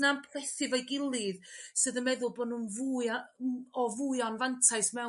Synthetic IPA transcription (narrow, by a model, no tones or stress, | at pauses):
nampʰlɛθɪvajɡɪlˠɨðsɨðəmɛðʊlˠboːdnunvu | ɔvujɔnvantʰaɨsmɛ